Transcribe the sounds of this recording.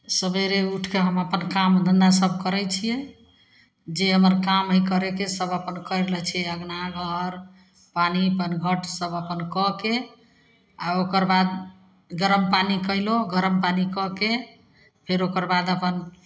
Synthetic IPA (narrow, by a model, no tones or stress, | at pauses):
səbeɾeuʈʰkeɦəməpənkamd̪ənd̪asəbʱkəɾɛt͡ʃʰijɛ | d͡ʒeɦəməɾkamɦikəɾekesəbəpənkəɾələt͡ʃʰiɛəɡnaɡʱəɾ | panipənɡʱəʈʰsəbəpənkɔke | aokəɾbad̪ | ɡəɾəmpanikəiloɡʱəɾəmpanikɔke | pʰeɾokəɾbad̪əpən